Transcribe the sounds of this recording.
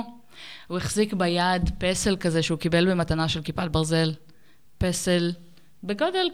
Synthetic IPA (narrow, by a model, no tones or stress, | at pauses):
hueχzikbajadpeselkazeʃeukibe̞lbe̞matanaʃe̞lkipat̚baʁze̞l | pesel | beɡo̞del